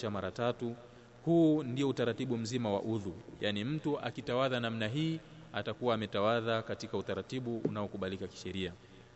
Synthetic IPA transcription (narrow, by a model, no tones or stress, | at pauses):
amaɾatatu | huːndiɔutaɾatiɓum̩zimawa̰ʔuðujanim̩tuʔa̰kitawaðanam̩naɦiː | atakuwaːmɛtawaðakatikautaɾatiɓuʔṵnaɔkuɓalikaki̥ʃɛɾia